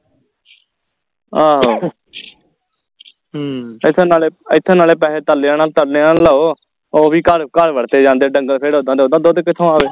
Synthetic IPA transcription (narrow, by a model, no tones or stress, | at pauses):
aːɦoː | ɪt̪ʰːnaːleːɪt̪ʰːẽːnaːleːpɛːɦeːt̪əlːeãːnaːlt̪əleãːləːoː | oːbiːkəɾkəɾʋəɽt̪eːd͡ʒãːnd̪eːɖəŋɡəlpʰeːɽɦõːd̪ãːd̪õːd̪ãːd̪oːd̪kɪt̪ʰõːaːʋeː